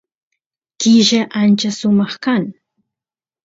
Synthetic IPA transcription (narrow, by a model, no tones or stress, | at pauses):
kɪʒaʔant͡ʃasʊmɑχkaŋ